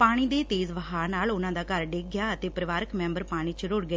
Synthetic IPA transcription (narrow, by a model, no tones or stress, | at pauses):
paːɽ̃iːd̪eːt̪eːzʋəɦaːnaːlʊnãːd̪aːkəɾɖeːɡjaːət̪eːpɾəʋaːɾəkmɛ̃ːmbəɾpaːɽ̃iːt͡ʃɾʊɽɡəeː